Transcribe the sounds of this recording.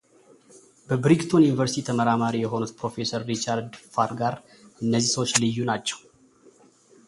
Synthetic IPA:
bəbɾiɡt̪ʰo̞njunivəɾsi̥t̪ʰit̪ʰəməɾamaɾijɛɦo̞nut̪pɾo̞fe̞səɾːit͡ʃaɾd̪faɾɡaɾ | ʔɨnːəzːisəwot͡ʃːlɨjːunat͡ʃːɛ̥w

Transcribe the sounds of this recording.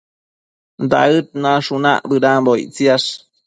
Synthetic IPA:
d̪a̰ɯt̪̚naʂuna̰ʔbɨɾabojt͡siaʂ

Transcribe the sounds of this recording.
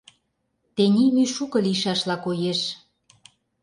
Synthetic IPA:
t̪enʲimyʃukɤ̆liʃɑʃlɑkojeʃ

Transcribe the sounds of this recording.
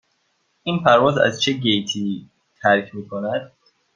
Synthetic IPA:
inpʰæɾvɒzæ̰zt͡ʃʰeɡejt̪ʰi | t̪ʰæɾkʰmiːkʰonæd̪̥̚

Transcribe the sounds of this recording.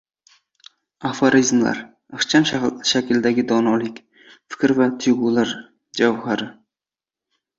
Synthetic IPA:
afaɾizmla̰ɾ | aχt͡ʃʰamʃaʃakʲɪld̪aɡʲɪd̪ɒnɒlɪkʲ | fɪ̥kʲɾvat̪ʰʊjʁulaɾ | d͡ʒawhaɾɪ

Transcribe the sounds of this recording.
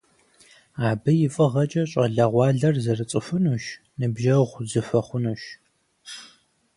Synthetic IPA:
aːbɨjɪfʼɨʁɐt͡ʃʼɐɕʼɐɮɐʁʷɑːɮɐrzɐrɨt͡sʼɨfɨnuːʃ | nɨbʒɐʁʷzɨfɐχʷʊnuːʃ

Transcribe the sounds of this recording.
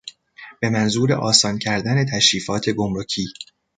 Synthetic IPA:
b̥e̞mænzuːɾe̞̰ʔɒːsɒːncʰæɾd̪æne̞t̪ʰæʃɾiːfɒːt̪ʰe̞ɡo̞mɾo̞cʰiː

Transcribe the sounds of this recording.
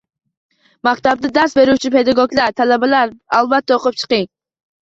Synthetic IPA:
mɑkt̪ɑb̚d̪ɨd̪ɑɾsbeɾut͡ʃʰipʰed̪ɑɡoɡlˠɑɾt̪ʰɛlɛbɛlˠæɾɑlˠvɛt̪ːɛoqʊp̚t͡ʃʰə̥qɨŋ

